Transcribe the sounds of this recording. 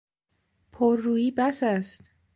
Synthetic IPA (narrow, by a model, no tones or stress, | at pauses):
pʰoɾːuːjiːbæsæst̪